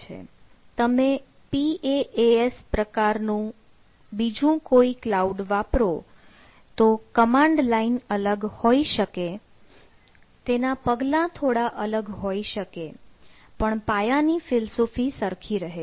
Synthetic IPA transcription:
t͡ʃʰḛ | t̪əme | pieʔeespɾəkaɾnũ | bid͡ʒũkoiklauɖʋapɾo | t̪okəmãɳɖlainələɡhoiʃəke | t̪enapəɡlãt̪ʰoɽaʔələɡɦoiʃəke | pəɳpajanifɪlsofisəɾkʰiɾəɦe

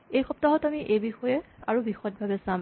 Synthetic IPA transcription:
ejxɔp̚taɦɔtamiʔejbixɔjɛa̰ɹubixɔjt̚bʱabɛsãm

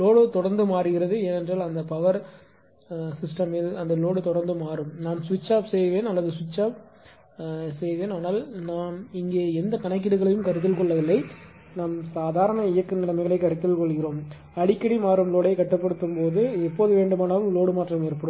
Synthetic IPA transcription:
loːɽɯt̪ɔɽɐɾnd̪ɯmaːɾɯɣɪɾɐðɯeːnɛndraːlɐnd̪ɐpɐʋɐɾ | sɪsʈɐmɪlɐnd̪ɐloːɽɯt̪ɔɽɐɾnd̪ɯmaːɾɯmnaːnsʋɪt͡ʃːaːpsɛjʋeːnɐlːɐðɯsʋɪt͡ʃːaːp̚ | sɛjʋeːnaːnaːlnaːmɪŋɡeːɛnd̪ɐkɐɳɐɪk̬ːɪɽɯɣɐɭɐjɯmkɐɾɯt̪ːɪlkɔɭːɐʋɪlːɐɪ | naːmsaːðaːɾɐɳɐɪjɐkːɯnɪlɐmɐɪɣɐɭɐɪkːɐɾɯt̪ːɪlkɔɭɣɪɾoːm | ɐɽɪkːɐɽimaːɾɯmloːɽeɪkːɐʈːɯpːɐɽɯt̪ːɯmpoːðɯɛpːoːðɯʋeːɳɖɯmaːnɐʋɯmloːɽɯmaːʈrɐmɛɾɯpːɐɽom

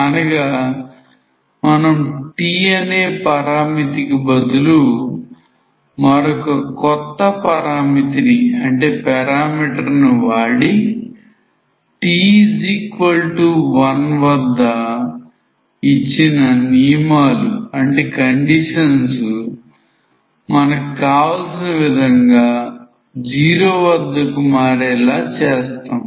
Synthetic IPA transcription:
ɐnɐɡaː | mɐnɐmuʈiːɐneːpɐɾaːmit̪ikɐbɐd̪ulu | mɐɾɔkɐkɔt̪ːɐpɐɾaːmit̪iniɐɳʈe̞ːpɛɾaːmiːʈɐɾnuʋaːɽi | ʈiːd͡ʒikʋɐlʈuʋɐnʋɐd̪ːɐ | it͡ʃːinɐnijɐmaːluɐɳʈe̞ːkɐɳɖiʂɐnsu | mɐnɐkukaːʋɐlsinɐʋid̪ʱɐŋɡaː | d͡ʒiːɾoːʋɐd̪ːɐkumaːɾɛːlaːt͡ʃɛːst̪aːm

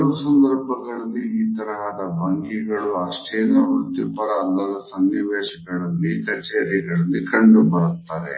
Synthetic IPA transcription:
ɾusɐnd̪ɐɾbʱɐɡɐɭɐlːiiːt̪ɐɾɐɦɐd̪ɐbʱaːŋkiɡɐɭuaːsʈɐjɐnːɐuɽt̪ipɐɽɐːlːɐlɐsɐnːiʋeːʃɐɡɐɭɐlːikɐt͡ʃeːɾiɡɐɭɐlːikɐɳɖubɐɽut̪ːaːɾḛ

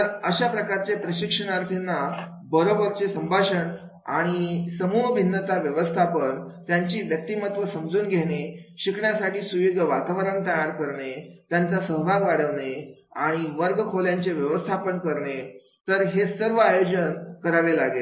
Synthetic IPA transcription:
t̪əɾəɕapɾəkaɾt͡sepɾəɕikʂəɽ̃aɾt̪ʰinːa | bəɾobəɾt͡sesəmbʱaɕəɳ | a̰ɽ̃isəmuːɦbʱinːət̪aʋjəʋəst̪ʰapənt̪jaɲt͡ɕiːʋjək̚t̪iːmət̪ʋəsəmd͡zuːnɡʱeɽeɕikʰɳjasaʈiːsujoɡʱəʋat̪aʋəɾənt̪əjaɾkəɾɳet̪jant͡sasəɦbʱaɡaɾəʋɳe | aɽ̃iʋəɾɡkʰoljaɲt͡seʋjəʋəst̪ʰapənkəɾɳe | t̪əɾɦesəɾʋəajod͡ʑənkəɾaʋelaɡe

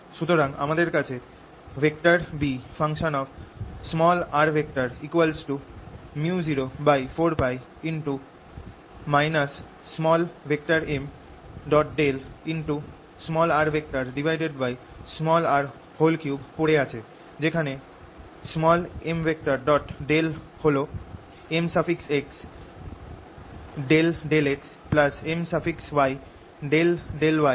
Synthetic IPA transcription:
ʃut̪oɾaŋa̰mad̪eɾkat͡ɕʰe | bʱek̚ʈaɾbifʰaŋʃonɔbsmɔlaɾbʱek̚ʈaɾikwalsʈumud͡ʑiɾobajfoɾpaj | inʈu | majnasː | mɔlbʱek̚ʈaɾem | ɖɔʈ̚ɖelinʈu | smɔlaɾbʱek̚ʈaɾɖibʱajɖeɖbaj | smɔlaɾ | holkjubpoɽeat͡ɕʰe | d͡ʑekʰane | smɔlembʱek̚ʈaɾɖɔʈɖel | holo | emsapʰikseks | ɖelɖeleks | plasemsapʰikswaj | ɖelɖelwa

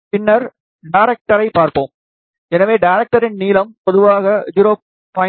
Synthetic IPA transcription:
pɪnːɐɾ | ɖaɪɾɛk̚ʈɐɾɐɪpaːɾpõːm | ɛnɐʋeːɖaɪɾɛk̚ʈɐɾɪnniːlɐmpɔðɯʋaːɣɐjʊɾoː | pɐ

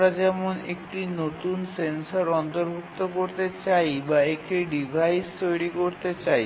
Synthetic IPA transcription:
ɾad͡ʑɛmonḛk̚ʈinot̪unsensaɾɔnt̪oɾbʱuk̚t̪okoɾt̪et͡ɕajbaekʈiɖibʱajst̪ojɽikoɾt̪et͡ɕaj

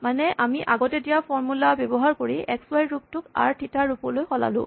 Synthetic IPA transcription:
manɛʔamiʔaɡɔtɛdijapʰɔɹmulabebɔɦaɹkoɹiɛkswajɹup̚tʊka̰ɹtʰitaɹupɔlojxɔla̰lʊ̰̃

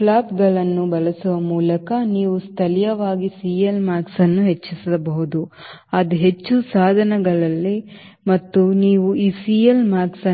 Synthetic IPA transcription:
klaːpɡɐɭɐnːubɐlɐsuʋɐmuːlɐkɐniːʋust̪ʰɐlijɐʋaːɡisiːjɐlmaːksɐnːuɦet͡ʃːisilɐbɐɦud̪uɐd̪uɦet͡ʃːusaːd̪ʱɐnɐɡɐɭɐlːi | mɐt̪ːuniːʋuiːsiːjɐlmaːksɐ

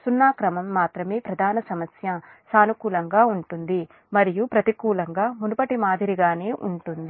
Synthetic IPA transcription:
sunːaːkɾɐmɐmːaːt̪ɾɐmeːpɾɐd̪ʱaːnɐsɐmɐsjɐ | saːnukuːlɐŋɡaːuɳʈund̪i | mɐɾijupɾɐt̪ikuːlɐŋɡaːmunupɐʈimaːd̪ʱiɾiɡaːneːʔuɳʈund̪i

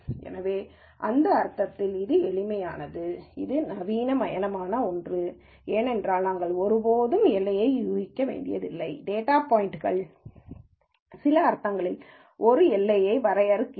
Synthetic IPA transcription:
ɛ̰nɐʋeː | ʔɐnd̪ɐːɾt̪ːɐt̪ːɪlɪðɯɛɭɪmɐjaːnɐðɯɪðɯnɐʋiːnɐmɐjɐnɐmaːnɐɔndrɯ | eːnɛndraːlɐŋɡɐɭɔɾɯpoːðɯmɛlːɐjɐɪjuːɣɪkːɐʋḛːɳɖɪjɐ̰ðɪlːɐɪɖeːʈaːpoːjɪʈɯɣɐɭ | sɪlɐːɾt̪ːɐŋɡɐɭɪl | ʔɔɾɯɛlːɐjɐɪʋɐɾɐjɐɾɯkː

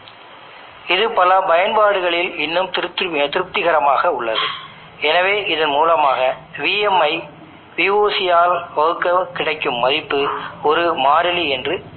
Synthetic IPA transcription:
ɪðɯpɐlɐpɐjɐnbaːɽɯɣɐɭɪlɪnːɯmt̪ɪɾɯt̪ːt̪ɪɾɯp̚t̪ɪɣɐɾɐmaːɣɐʊɭːɐðɯ | ɛnɐʋeːʔɪðɐnmuːlɐmaːɣɐʋiːjɛmːɐɪ | ʋɪʋoːsɪjaːlʋɐɣɯkːɐkɪɽɐɪkːɯmːɐðɪpːɯɔɾɯmaːɾɪliɛndrɯ

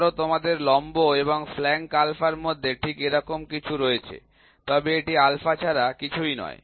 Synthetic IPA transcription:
ɾot̪omad̪eɾlɔmboeβoŋflɛŋkalfaɾmod̪ʱːeʈʰikeɾɔkomkit͡ɕʰuɾojet͡ɕʰḛ | t̪ɔbeeʈialfat͡ɕʰaɾakit͡ɕʰujnɔ̰e

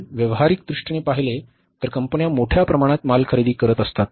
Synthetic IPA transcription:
ʋjəʋɦaɾik̚d̪ɾuʂʈɳepaɦile | t̪əɾkəmpənjamoʈʰjapɾəmaɽ̃at̪malkʰəɾid̪iːkəɾət̪əst̪at̪̚

